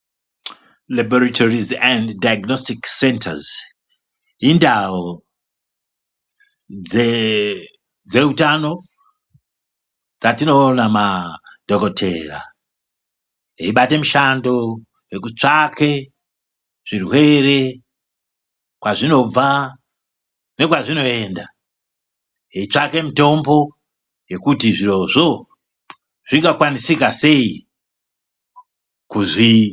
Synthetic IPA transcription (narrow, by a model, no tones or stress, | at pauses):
liboratʰorizanddajaɡnostiksenta̰z | indawo | e | d͡ze̞utano̞ | d͡zatino̞ːnamad̥ʱokotʰe̞̰ra̰ | eiɓate̞muʃando | jekut͡ʂakʰe̞ | ʐ̥irwe̞ɾe̞ | kwaʐino̞b͡va | ne̞kwaʐino̞e̞ːnda | eit͡ʂake̞mito̞mbo̞ | je̞kutiʐiro̞ʐo̞ | ʐiŋɡakwanisikase̞i | kuzi